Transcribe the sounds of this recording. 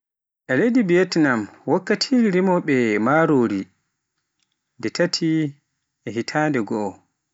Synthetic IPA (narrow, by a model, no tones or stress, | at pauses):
ʔɛlejdibiɛtnamwakːatʰiiɾimɔɓɛmaɾoːɾi | ndɛtʰatʰi | ʔɛɦitʰaːndɛɡɔʔɔ